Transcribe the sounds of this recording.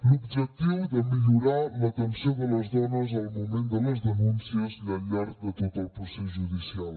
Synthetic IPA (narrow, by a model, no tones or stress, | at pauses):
lubʒɛk̚t̪iwðəmiʎuɾalɐt̪ənsoðəlɐzðɔnɐzawmumẽnd̪əlɐzðənũnsiəznɐʎɛɾt̪d̪ət̪ot̪əlpusɛsʒuðisialˠ